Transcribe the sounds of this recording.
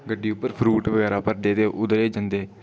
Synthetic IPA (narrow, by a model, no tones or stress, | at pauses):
ɡəɖːiːʊpːəɾpʰɾuːʈʋəɡɛːɾaːpəɾd̪eːt̪eːʔʊd̪ɾeːd͡ʒə̃nd̪eː